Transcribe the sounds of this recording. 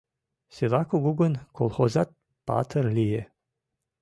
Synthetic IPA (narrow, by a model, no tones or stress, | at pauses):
selɑkuɣuɣənkolˠxozɑt̪̚ | pɑ̰t̪ərlije